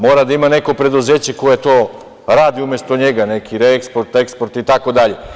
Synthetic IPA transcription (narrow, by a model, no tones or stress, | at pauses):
mo̞ːɾad̪aimane̞kopɾe̞d̪uzeːt͡ɕekojet̪o̞ː | ɾaːd̪iumʲjest̪oɲeɡane̞kʰiɾeekspoɾt̪e̞kspoɾt̪it̪ako̞d̪aʎe